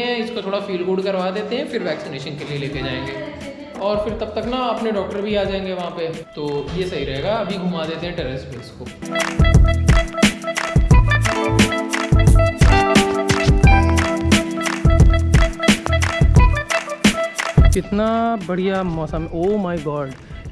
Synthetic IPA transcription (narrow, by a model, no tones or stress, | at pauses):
ɦɛ̃ɪskot̪ʰoːɽafiːlɡʊɖkɐɾʋad̪eːt̪eɦɛ̃fɪɾʋɛːksɪneːʃənkelieleːked͡ʒaːẽːŋɡeː | ɔːɾfɪɾt̪ɐb̚t̪ɐknɐɐpneɖɔːk̚ʈəɾbʱiaːd͡ʒaːẽːŋɡeʋɐɦãpet̪oːjesɐɦiɾɐɦeːɡaɐbʱiɡʱuːmad̪eːt̪eɦɛ̃ʈɛɾɛspeːɪsko | kɪt̪nabɐɽ̤ijamɔːsəmoːmaːɪɡɔːɖ